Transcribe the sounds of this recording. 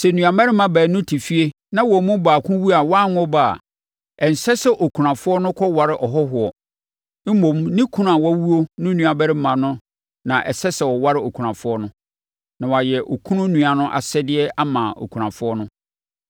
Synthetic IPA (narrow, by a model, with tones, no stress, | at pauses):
sɛ˨nũ˨a˨mɛ˦ɾɪ˦mã˨bæː˨nʊ̃˦tʰi˨fi˦e˦ | nã˦wɔ˨mʊ̃˦baː˨kʰʊ̃˦wu˦a˨wã˦˨n˦ɔ˦ba˨a̰˨ | ɛ˨n̩˨sɛ˦sɛ˦ʔo˨kʰu˨ɾã˨fʊ˦ɔ˦nʊ̃˦kʰɔ˦wa˨ɾɪ˦ʔɔ˨ɦɔ˦ɦʊ˨ɔ˨ | m̩˦mõ˨mnĩ˦kʰũ˦ñ˦a˨wɔ˦wu˦o˦nʊ̃˦nũ˨a˨bɛ˦ɾɪ˦mã˨nʊ̃˦ | nã˨ʔɛ̰˨sɛ˦sɛ˨wɔ˨wa˦ɾɪ˦o˨kʰu˨ɾã˨fʊ˦ɔ˦nʊ̃˦ | nã˨wa˨jɛ˨ʔo˨kʰũ˦nʊ̃˦nũ˨a˨nʊ̃˦ʔa̰˨sɛ˦dɪ˦ɛ˦a˦mãː˨o̰˨kʰu˨ã˨fʊ˦ɔ˦nʊ̃˦